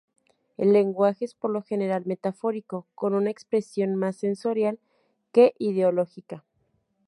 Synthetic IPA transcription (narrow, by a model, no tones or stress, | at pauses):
e̞̰lːe̞ŋɡwaxe̞espoɾlo̞xe̞ne̞ɾalme̞t̪afo̞ɾiko̞ko̞nunaekspɾe̞sjo̞nmasːe̞nso̞ɾjal | ke̞ʔið̞eo̞lo̞xika